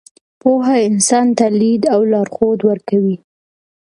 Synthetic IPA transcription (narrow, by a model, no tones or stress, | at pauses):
poɦaɪnsɑnt̪alid̪awlɑɾxod̪wəɾkawi